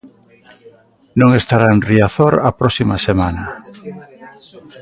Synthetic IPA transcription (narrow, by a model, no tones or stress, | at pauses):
nõŋest̪aɾaenriaθoɾapɾɔsimasemanɐ